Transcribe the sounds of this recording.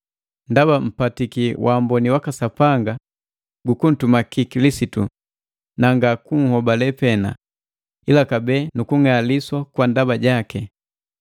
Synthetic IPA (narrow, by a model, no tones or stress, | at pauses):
ndabam̩patikiwʔambɔniwakasapaŋɡa | ɡukun̩tumakikilisitu | naŋɡakuŋ̩hɔbalɛpɛna̰ | ilakabɛːnukuŋaliswakwandabaɟakɛ